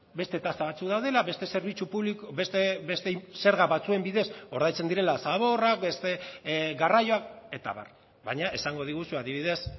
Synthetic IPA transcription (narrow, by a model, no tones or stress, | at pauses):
be̞st̪e̞t̪ast̪aβat͡sukðawðe̞laβe̞st̪e̞se̞ɾβit͡ʃupuβlikest̪ebest̪ese̞ɾɣaβat͡sue̞mbiðe̞so̞ɾðajt͡se̞nd̪iɾe̞lasaβ̞o̞rak̚be̞st̪e̞ɡarajo̞ake̞t̪a̰βa̰r | βaɲaʔe̞saŋɡo̞ðiɣ̞usuaðiβiðe̞s